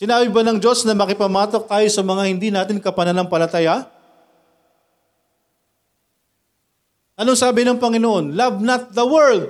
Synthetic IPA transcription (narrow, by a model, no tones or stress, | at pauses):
sɪnaːbɪbɐnɐŋd͡ʒo̞snɐmɐkɪpɐmaːt̪o̞k̚t̪aːjosɐmɐŋahɪnd̪iːnaːt̪ɪnkɐpɐnɐnɐŋpɐlɐt̪aja | ʔɐnoŋsaːbɪnɐŋpɐŋɪnoʔo̞nlɐvnɐt̪̚ðɐwɛɹd̪̚